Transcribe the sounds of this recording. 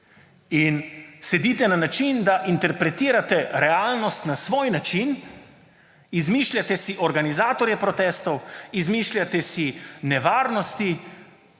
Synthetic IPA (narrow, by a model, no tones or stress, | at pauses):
insɛd̪iːt̪ɛnanat͡ʃind̪aʔint̪ɛɾpɾɛt̪iːɾat̪ɛɾɛaːlnɔst̪nasʋoːjnat͡ʃin | izmiʃlʲjat̪ɛsiʔɔɾɡanizaːt̪ɔɾjɛpɾɔt̪ɛːst̪ɔwizmiːʃlʲjat̪ɛsinɛʋaːɾnɔst̪i